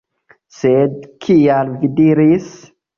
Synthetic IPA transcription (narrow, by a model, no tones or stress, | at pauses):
sed̪kʰijalvid̪iɾiːs